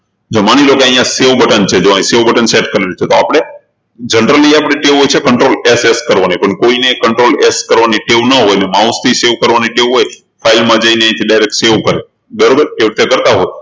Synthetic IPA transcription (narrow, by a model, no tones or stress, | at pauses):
d͡ʒomanilokoə̃ɦĩjãseʋbəʈənt͡ʃʰed͡ʒoãĩseʋbəʈənseʈkəɾiut͡ʃʰet̪oapɽ̃e | d͡ʒənəɾəliapɽ̃eʈeʋɦojt͡ʃʰekəɳʈɾoleseskəɾʋanipəɳkoinekəɳʈɾoleskəɾʋaniʈeʋnəɦojnemãʊst̪ʰiseʋkəɾʋaniʈeʋɦoj | fʰailmãd͡ʒəineãĩt̪ʰiɖajɾek̚ʈseʋkəɾe | ɡəɾbəɾʈeʋt̪ʰjekəɾt̪aɦoj